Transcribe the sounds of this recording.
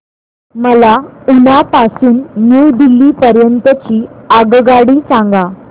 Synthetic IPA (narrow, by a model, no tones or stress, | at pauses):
məlaunapasuːnːud̪ilːiːpəɾjənt̪ət͡ɕiːaɡɡaɽiːsãŋɡa